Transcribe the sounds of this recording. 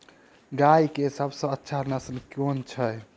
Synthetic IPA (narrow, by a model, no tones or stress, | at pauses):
ɡajkesəbʱsə̃ətːʃʰanəsnkjont͡ʃʰəj